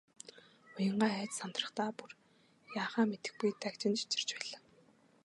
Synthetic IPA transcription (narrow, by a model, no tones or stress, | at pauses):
ʊjə̆ɴɢaːæːt͡ɕsant̪rə̆χt̪aːpur | jaːχaːmet̪ɘ̥̆xpujt̪ʰækt͡ɕɪ̆nt͡ɕi̥t͡ɕɪ̆r̥t͡ɕpæːɮaː